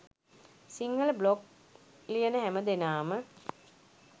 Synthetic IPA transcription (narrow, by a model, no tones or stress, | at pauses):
siŋɡələblok | lijənəɦæməd̪enaːmə